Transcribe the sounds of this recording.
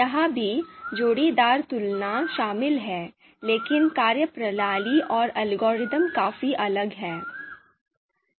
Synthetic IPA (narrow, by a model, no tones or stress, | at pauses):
jɐɦãbʱid͡ʒoːɽid̪aːɾt̪ʊlnaʃaːmɪlɦɛː | leːkɪnkaːɾjəpɾɐlaːliʔɔːɾɐlɡoːɾɪt̪əmkaːfiʔɐləɡɦɛː